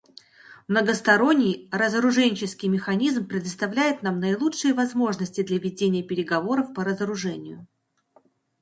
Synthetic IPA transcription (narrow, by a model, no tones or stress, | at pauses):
mnəɡəst̪ɐɾo̞nʲːɪjɾəzəɾʊʐɛnʲt͡ɕɪskʲɪjmʲɪxɐnʲizmpɾʲɪd̪əst̪ɐvlʲæjɪt̪namnəɪlˠut͡ʂʂɨjəvɐzmo̞ʐnəsʲtʲɪd̪lʲɐvʲɪdʲenʲɪjəpʲɪɾʲɪɡɐvo̞ɾəfpəɾəzəɾʊʐɛnʲɪjʊ